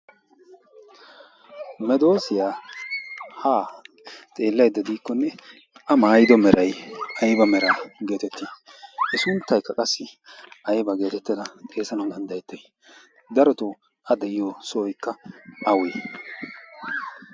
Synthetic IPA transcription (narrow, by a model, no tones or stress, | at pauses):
mɛd̪o̞ːsɪjaː | haː | t̪ʼe̞ːlːɐjd̪ːɐd̪iːkːɔnːɛ | ɐmaːjɪd̪ɔmɛɾʔɐjɐjbɐmɛɾaːɡe̞ːt̪ɛt̪ːiɛsʊnt̪ːɐjkːɐkʼɐsːɪɐjbɐɡe̞ːt̪ɛt̪ːɪd̪ɐt̪ʼe̞ːsɐnɐwd̪ɐnd̪ɐjɛt̪ːɛj | d̪ɐɾɔt̪ɔ | ʔɐd̪ɛʔɪjoːsɔːjkːɐʔɐwe